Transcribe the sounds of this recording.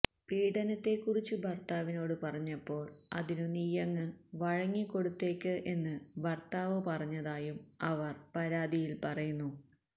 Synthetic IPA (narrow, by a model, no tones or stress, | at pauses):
piːɽɐnɐt̪ːe̞kːurit͡ɕːɨbʱɐrt̪aːʋino̞ːɽɨpɐrɐɲːɐpːo̞ːɭɐ̰ðinunijɐŋːɨʋɐɻɐŋːikːo̞ɽut̪ːe̞ːkːɨʔe̞nːɨʋɐrt̪aːʋopɐrɐɲːɐðaːjumɐʋɐrpɐɾaːd̪ijilpɐrɐjunːu